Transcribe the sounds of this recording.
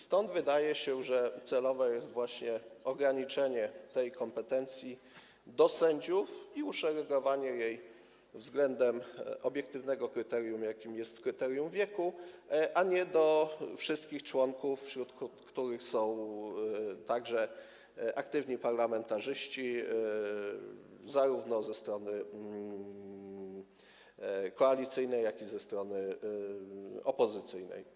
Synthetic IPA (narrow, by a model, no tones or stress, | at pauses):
st̪ɔnd̪vɘd̪ajɛɕɛʐɛt̪sɛlɔvɛjɛst̪vwaɕɲɛɔɡɾaɲit͡ʂɛɲɛt̪ɛjkɔmpɛt̪ɛnt̪sʲji | d̪ɔsɛɲd͡ʑufiuʂɛɾɛɡɔvaɲɛjej | vzɡlɛnd̪ɛmʔɔbʲjɛk̚t̪ɘvnɛɡɔkɾɘt̪ɛɾjumjakʲimjɛst̪kɾɘt̪ɛɾjumvʲjɛku | ʔaɲɛd̪ɔfʂɘst̪̚kʲixt͡ʂwɔŋkufːɕɾut̪kt̪kt̪uɾɘxsɔ̃w̃ | t̪aɡʐɛ | ʔakt̪ɘvɲipaɾlamɛnt̪aʐɘɕt͡ɕi | zaɾuvnɔzɛst̪ɾɔnɘ | kɔalʲit̪sɘjnɛjːakʲizɛst̪ɾɔnɘ | ɔpɔzɘt̪sɘjnɛ̰j